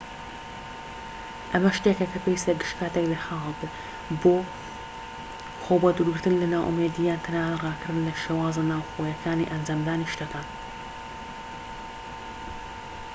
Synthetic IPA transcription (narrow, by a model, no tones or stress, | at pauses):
ʔɐmɐʃt̪eːkɐkɐpewist̪ɐɡɨʃkʰaːt̪ɛklexaːlɨbɨ | boː | xoːbɐd̪uɾɡɨɾt̪ɨnlɨnaːwʔṵmeːd̪ijaːnt̪ʰɨnaːnraːkɨɾɨnlɐʃeːwaːzenaːwxoːjɛkʰaːniʔɐnd͡ʒaːmd̪aːniʃt̪ɐkaːn